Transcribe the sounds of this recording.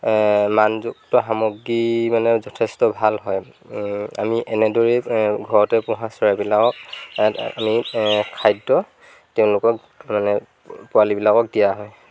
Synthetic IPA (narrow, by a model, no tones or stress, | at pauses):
manzuk̚tɔɦamoɡːimanɛzɔtʰɛstɔbʱalɦɔj | a̰miʔɛnɛdɔɹɛɡʱɔɹɔtɛpʊ̃ɦasɔɹabilakɔk̚ | a̰mikʰajdɔ | tɛʊ̃lʊkɔk | manɛ | pʊalibilakɔk̚dijaɦɔj